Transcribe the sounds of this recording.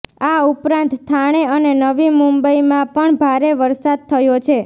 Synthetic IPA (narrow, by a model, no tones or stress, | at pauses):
aupɾãnt̪t̪ʰːaɽ̃eənenəʋimumbəimãpəɳbʱaɾeʋəɾsad̪̚t̪ʰəjot͡ʃʰe